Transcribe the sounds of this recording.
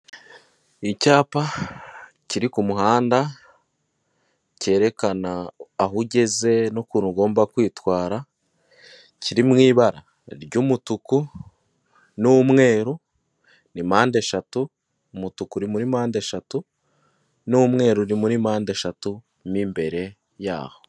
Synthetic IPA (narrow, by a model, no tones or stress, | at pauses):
icaːpa | ciɾikumuɦaːnda | ce̞ːɾe̞kanaːɦuɟe̞ze̞nokuːnuɡo̞ːmbakwiːtwaːɾa | ciɾimŋiːβaɾa | ɾɟumutuku | numŋe̞ːɾu | nimaːndeʃatuː | mutukuɾimuɾimaːndeʃatu | numŋe̞ːɾunimuɾimaːnde̞ʃatu | mimbe̞ɾe̞ | ja̰ːho